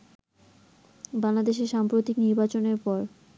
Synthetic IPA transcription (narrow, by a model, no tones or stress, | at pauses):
baŋlad̪eʃ̬eʃampɾot̪ikniɾbat͡ɕoneɾpɔɾ